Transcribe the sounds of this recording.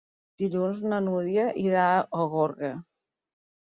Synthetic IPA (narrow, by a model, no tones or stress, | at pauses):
d̪̥iʎunznənuðjəʔiɾaoɣoɾɣə